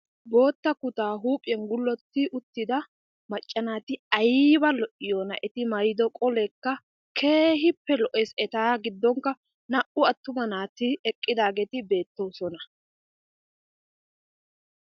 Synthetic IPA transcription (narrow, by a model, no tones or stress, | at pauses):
bo̞ːt̪ːɐkʊt̪aːɦuːpʼɪɛnɡʊlːɔt̪ːɪʔʊt̪ːɪd̪ɐ | mɐt͡ʃʼːɐnaːt̪ɪɐjbɐlɔʔɪjoːnɐʔɛt̪ɪmɐɾɪd̪ɔkʼɔlɛkːɐ | kʰe̞ːɦɪpːɛlɔʔɛsɛt̪aːɡɪd̪ːɔŋkːɐ | nɐʔʊɐt̪ːʊmɐnaːt̪ɪɛkʼːɪd̪aːɡeːt̪ɪbe̞ːt̪ːowsɔnɐ